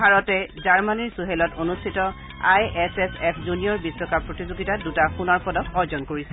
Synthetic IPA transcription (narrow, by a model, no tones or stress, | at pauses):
bʱaɹɔtɛzaɹmaniɹsuɦelɔtonustʰitɔ | ajɛsɛsɛpʰzuniɔɹbisɹɔkapɹotizoɡitadutaxunaɹpɔdɔkɔɹzɔnkoɹisɛ